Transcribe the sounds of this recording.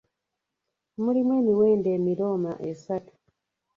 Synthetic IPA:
mulimwe̞ːniwe̞ːndeːmiɾo̞ːma̰ʔesatu̥

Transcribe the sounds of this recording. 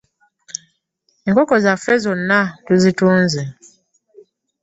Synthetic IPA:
eŋkokozafezonːatuzituːnzi

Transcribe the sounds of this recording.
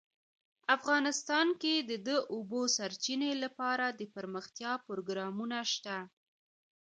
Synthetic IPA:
afɣɑnɪst̪ɑnked̪əd̪əʔobosaɾt͡ʃinelapɑɾad̪əpəɾməxt̪jɑpɾoɡɾɑmunaʃt̪a

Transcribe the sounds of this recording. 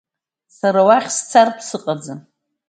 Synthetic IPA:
saɾawaχʲst͡sʰarpʰsɨqʼad͡za

